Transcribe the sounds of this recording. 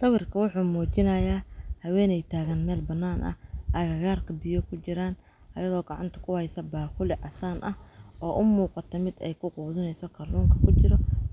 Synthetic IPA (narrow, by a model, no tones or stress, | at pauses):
sɑwɪrkʰɐwʊħuːmuːt͡ʃɪnɐjaːhɐwɛːnɛjt̪ʰaːɣɐnmɛːlbɐnːaːnʔɐ̰ʔɐɣɐɣaːrkʰɐbɪjɔkʰʊt͡ʃɪɾaːn | ʔɐjɐðɔːɡɑʕɑ̰nt̪ʰɐ̥kʰʊhɛjsɐbaːqʊlɪʕɑsaːnʔɐhʔɔːʔʊmuːqɑt̪ʰɔmɪd̪ɛ̰jkʰʊquːðɪnɛjsɔkʰɐluːŋkʰɐkʰʊt͡ʃɪɾɔ